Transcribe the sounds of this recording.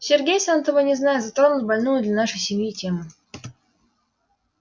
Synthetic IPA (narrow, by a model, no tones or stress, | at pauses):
sʲɪrɡʲejsant̪əvənʲɪznajɪzat̪ɾo̞nʊt̪ʲbɐlʲnujʊd̪lʲanaʂɨjsʲɪmʲjitʲe̞mɨ